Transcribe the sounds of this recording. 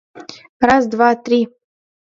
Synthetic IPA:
razd̪vat̪ri

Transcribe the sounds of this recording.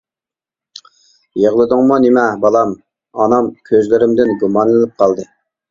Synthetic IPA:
jeʁlˠɨd̪ʊŋmunɪmɛbɑlˠɑm | ɑnɑmkʲʰøzlɪɾɪmd̪ɪnɡumɑnlɪnɪp̚qʰɑlˠd̪ɨ

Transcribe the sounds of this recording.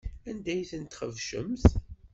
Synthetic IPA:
ænd̪æjθənt̪χəvʃə̰mθ

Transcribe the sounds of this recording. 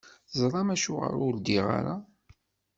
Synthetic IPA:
zˤɾˤɑmæʃuʁə̰ɾuld̪iʁa̰ɾa

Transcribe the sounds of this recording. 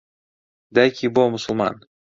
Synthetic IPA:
d̪æjkʲibomʊsʊlˠmɑ̰n

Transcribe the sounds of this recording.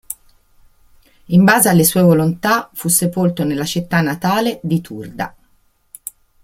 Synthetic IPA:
imbaːzealːesuːevolont̪afusːepolt̪onelːat͡ʃit̪ːanːat̪aːled̪it̪ʰurd̪a̰

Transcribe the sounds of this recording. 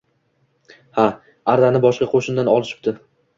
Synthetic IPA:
ha | aɾd̪anɪbɒʃqɑqʰoʃɪnd̪anɒlˠɪʃɪ̥p̚t̪ɪ

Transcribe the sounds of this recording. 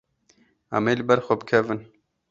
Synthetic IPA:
æ̰meːlɨbɛɾxʷɔbɨkʰɛvɨn

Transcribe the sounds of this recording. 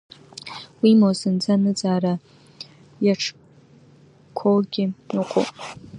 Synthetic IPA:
wimosɨnd͡zanɨd͡zʼaːra | jaʈ͡ʂʰ | kʰolɡʲɪiqʷʰo̰pʼ

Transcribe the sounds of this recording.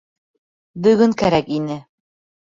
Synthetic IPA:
bɵ̆ɡɵŋkæɾækinɘ

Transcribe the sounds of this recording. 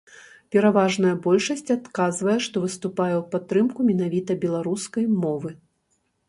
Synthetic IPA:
pʲɛɾavaʐnɐjɐbɔlʲʂɐsʲt͡sʲat̪kazvɐjɛʂt̪ɔvɨst̪upajɛwpat̪ːɾɨmkumʲɛn̪avʲit̪ɐbʲɛlˠaɾuskɐjmɔvɨ

